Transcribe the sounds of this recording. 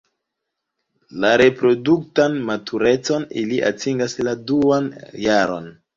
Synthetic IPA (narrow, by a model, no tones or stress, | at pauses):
laɾe̞pɾo̞duktanmatʰuɾe̞t͡so̞niliʔa̰tʰiŋɡasladuanjaɾo̞̰n